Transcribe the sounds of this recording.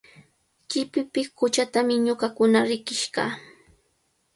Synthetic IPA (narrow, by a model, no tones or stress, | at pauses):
kɪpɪpɪkʊt͡ʃat̪amɪɲʊɢakʊnaɾɪkɪʃɢɑː